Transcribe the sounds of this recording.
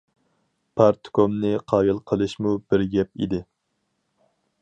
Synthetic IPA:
pʰɑɾt̪ʰkʰomnɪqʰɑːjɨlˠqʰəlˠɨʃmub̥ɪɾɡʲɛp̚ḭd̪ɪ

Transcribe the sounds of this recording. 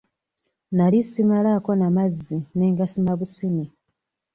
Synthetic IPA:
nalisimalakonamazːine̞ːŋɡasimaβusini

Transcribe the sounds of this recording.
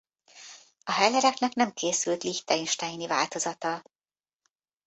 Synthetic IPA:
ɒɦɛlɛɾɛknɛknɛmkeːsylt̪liçt̪ainʃt̪ajinivaːlt̪o̞zɒt̪ɒ

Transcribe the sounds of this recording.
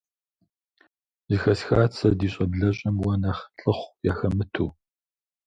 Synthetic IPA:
zixɐsxaːt͡sʰɐdiːɕʼɐbɮɐɕʼɐmwɐnɐχɬʼɨχʷjaːxɐmɨtʰuː

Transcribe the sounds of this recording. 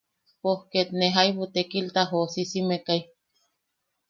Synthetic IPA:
pohket̪neɦaiβut̪ekilt̪aɦosisimekaj

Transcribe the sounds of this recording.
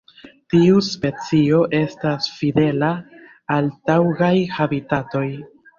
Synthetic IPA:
tiuspe̞t͡sio̞ʔe̞stasfide̞la | altawɡajhabitato̞j

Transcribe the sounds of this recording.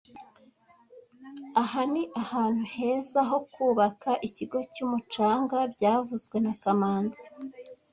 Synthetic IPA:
ahaniʔahaːn̥huhe̞ːzaɦo̞kuːβakʰaʔiciɡo̞cuːmut͡ʃaːŋɡabɟaːvuzɡwe̞nakamaːnzi̥

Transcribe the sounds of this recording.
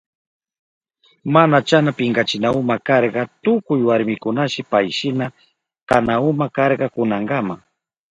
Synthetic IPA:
manat͡ʃanapɪŋɡɑt͡ʃɪnaʊmakɑɾɢɑt̪ʊkʊjwaɾmɪkʊnaʃɪpajʃɪna | kanaʊmakɑɾɢɑkʊnɑɴɢɑmaŋ

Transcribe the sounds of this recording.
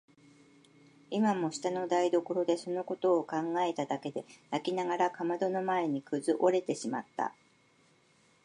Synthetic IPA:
imamo̞ɕi̥t̪ano̞d̪aid̪o̞ko̞ɾo̞d̪e̞so̞no̞ko̞t̪o̞ːkãŋɡae̞t̪ad̪ake̞d̪e̞jakʲinaɡaɾakamad̪o̞no̞mae̞ɲ̟ikɯ̟zɨʔo̞ɾe̞t̪e̞ɕima̰t̪ːa̰

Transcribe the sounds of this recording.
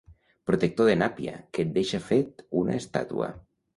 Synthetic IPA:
pɾut̪ek̚t̪oðenapia̰ket̪̚d̪eʃafet̪una̰est̪a̰t̪ṵə̰

